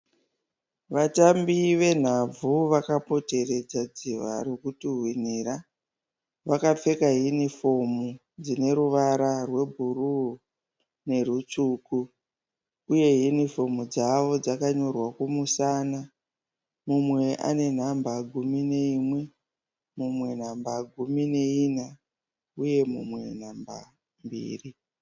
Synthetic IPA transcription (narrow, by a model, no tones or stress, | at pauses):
ʋatambiʋe̞n̤ab͡vuʋakapo̞te̞re̞d͡zad͡ziʋa̰ɾukutuɦwin̤iɾa | ʋakap͡fe̞kaɦinifo̞mu | d͡zine̞ɾuʋaɾarwe̞bʱuru | ne̞ɾut͡ʂuːku | uje̞ɦinifo̞mud͡zaʋo̞d͡zakaɲo̞rwakumusaːna | mumwe̞ʔa̰ne̞n̤ambaɡʱumine̞imwe̞ | mumwe̞n̤ambaɡʱumine̞ina | uje̞mumwe̞̰n̤amba̰ | mbḭːri